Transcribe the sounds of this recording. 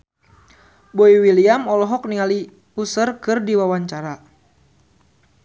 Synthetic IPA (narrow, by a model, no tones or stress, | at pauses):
boiwiliamɔlɔɦɔk̚niali | usərkɨrdiwawaɲt͡ʃaɾa